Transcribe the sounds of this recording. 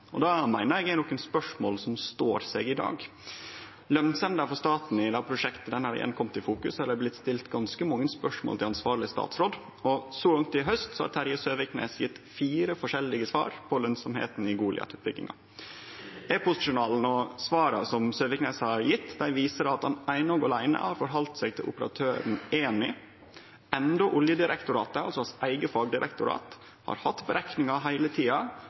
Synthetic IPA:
ɔd̪ɑmæɪnəɾɛɡænɔkːənspœʂmoːlsɔmst̪oːɾsɛːɡɪd̪ɑ̰ːɡ | lœnsɛnd̪əfɔɾst̪ɑːt̪n̩ɪd̪ɑpʰɾʊʂɛkt̪əd̪ɛnhɑɾɖɛ̰ʔɛ̰nkʰɔmt̪ɪfuːkʉshɑɖ̪æblɪt̪ːst̪ɪlt̪ɡɑnskəmɑŋːənspœʂmo̰ːlt̪ʰɪlɑnsʋɑːɾɭɪəst̪ɑ̰ːt̪sɾoːd̪ | ɔsɔɡɑŋt̪ɪɦœst̪sɔhɑ̰ɾt̪ʰæɾjəsøːʋɪknḛːsjɪt̪ːfiːɾəfɔʂɛlːɪɡəsʋɑ̰ːɾpʰɔlœnsɔmhḛːt̪n̩ɪɡuːlɪɑ̰t̪ʉːt̪bɪɡlɪ̰ŋɑ̰ | ɛpʊsɪʂʊnɑːln̩ɔsʋɑːɾɑ̰sɔmsøːʋɪkneːshɑɾjɪt̪ːd̪æɪʋiːsəɾɑt̪hɑnæɪnɔɡɑlæɪnə̰hɑɾfɔɾɦɑlt̪sɛːɡ̚t̪ʰɪlʊ̰pəɾɑ̰t̪ʰøːɾn̩eːnɪ̰ | ɛnd̪ɔʔʊljəd̪ɪɾɛkt̪ʊɾɑːt̪əɑlsɔhɑsæɪɡəfɑɡd̪ɪɾʔɛ̰kt̪ʊɾɑ̰ːt̪ | hɑ̰ɾhɑt̪ːbəɾæknɪŋɑɦæɪlət̪ʰiːɑ

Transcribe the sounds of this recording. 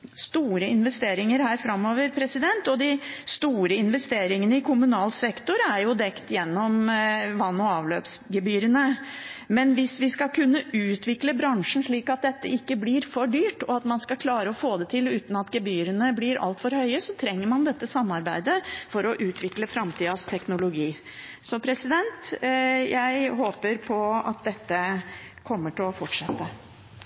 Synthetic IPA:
st̪uːɾəɪnʋɛst̪eːɾɪŋəɾhæːɾfɾɑmːoːʋəɾpʰɾɛsɪd̪ɛnt̪ɔd̪ɪst̪uːɾəɪnʋɛst̪eːɾɪŋənəɪkʰʊmʉnɑːlsɛkt̪ʊɾəæɾjʊd̪ɛkt̪jɛnːɔmʋɑnːɔɑːʋløːpsɡəbyːɾənəmɛnʋɪsʋɪskɑkʰʉnːəʔʉːt̪ʰʋɪkləbɾɑŋʂən̩ʂɭiːkɑt̪̚d̪ɛt̪ːə̰ɪkːəblɪɾfɔɖyːʈɔɑt̪mɑnskɑkʰlɑːɾəɔfoːd̪ɛt̪ʰɪlʉːt̪nɑt̪ɡəbyːɾənəblɪɾɑ̰lt̪fɔɾhœʏəsɔt̪ʰɾɛŋːəɾmɑnd̪ɛt̪ːəsɑmːɑɾbæɪd̪əfɔɾɔʔʉːt̪ʰʋɪkləfɾɑmt̪iːɑst̪ʰɛknʊlʊɡiː | sɔpʰɾɛsɪd̪ɛnt̪jæɪɦoːpəɾpʰɔɑ̰t̪̚d̪ɛt̪ːə | kʰɔmːəʈɪlɔfɔʈʂɛt̪ːə

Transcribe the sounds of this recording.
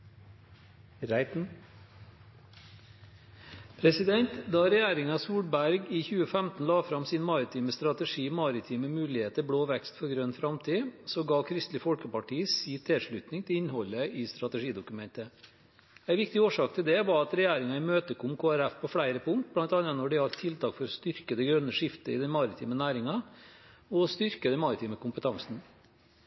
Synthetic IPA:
ɾæɪt̪n̩ | pʰɾɛsɪd̪ɛnt̪d̪ɑːɾɛjæːɾɪŋɑsuːɽbæɾɡiːçʉːəfæmt̪n̩lɑːfɾɑmsiːnmɑɾɪt̪ʰiːməst̪ɾɑt̪əʂiːmɑɾɪt̪ʰiːməmʉːlɪheːt̪əbɽoːʋɛkst̪fɔɾɡɾønfɾɑmt̪ʰiːsɔɡɑːkʰɾɪst̪lɪfɔlkəpɑʈʰiːsiːt̪ʰɛʂɭʉːt̪nɪŋt̪ʰɪlɪnhɔlːəɪst̪ɾɑt̪ɛʂiːd̪ʊkʉmɛnt̪ə | æɪʋɪk̚t̪ɪoːʂɑːkt̪ʰɪld̪ɛʋɑɾɑt̪ɾɛjæːɾɪŋɑɪmøːt̪əkʰɔmkʰoːæɾæfpʰɔfɽæɪɾəpʰʊŋt̪̚blɑnt̪ɑːnɑnɔɖɪɑɾt̪ʰɪlt̪ʰɑːkfɔɾɔst̪ʏɾkəd̪ɛɡɾœnːəʂɪft̪əɪ̰d̪ɛnmɑɾɪt̪ʰiːmənæːɾɪŋɑ | ɔst̪ʏɾkəd̪ɛnmɑɾɪt̪ʰiːməkʰʊmpət̪ʰɑŋsn̩

